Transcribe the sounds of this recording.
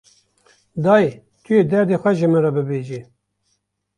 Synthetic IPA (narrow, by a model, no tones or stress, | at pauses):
d̪ɑːj | t̪ʰujeːd̪ɛɾd̪exʷɛʒɪmɨɾabɨbeːʒi